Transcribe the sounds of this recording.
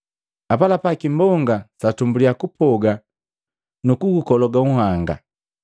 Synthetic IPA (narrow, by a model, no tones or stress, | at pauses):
apalapakimbɔŋɡasatumbulijakupʰɔɡa | nukuɡukɔlɔɡauhaŋɡa̰